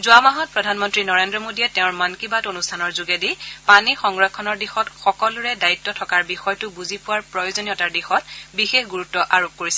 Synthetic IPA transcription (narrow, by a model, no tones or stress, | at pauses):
zʊamaɦɔt̚pɹɔdʱanmɔntɹinɔɹendɹɔmodiɛtɛʊ̃ɹmankibatonustʰanɔɹzuɡedipanixɔŋɹakʰːɔnɔɹdixɔtxɔkɔlʊɹɛdaitːɔtʰɔkaɹbixɔjtʊbuzipʊwaɹpɹɔjozonijɔtaɹdixɔt̚bixexɡuɹutːɔʔaɹop̚koɹisɛ